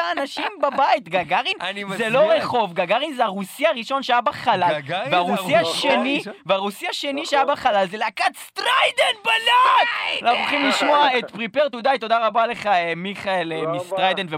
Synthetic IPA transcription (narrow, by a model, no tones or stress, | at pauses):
aːnaʃimbabait̪ɡaɡaʁinzelo̞ʁeχo̞vɡaɡaʁinzeaʁusiaʁiʃo̞nʃeajabaχalalveaʁuasiaʃeniveaʁusiaʃe̞niʃeajabaχalalzeleakatst̪ʁajd̪enbalaɡanaχuχimliʃmoaet̪pʁipeʁt̪ud̪ajt̪o̞d̪aʁabale̞χaemiχaelemist̪ʁajd̪enve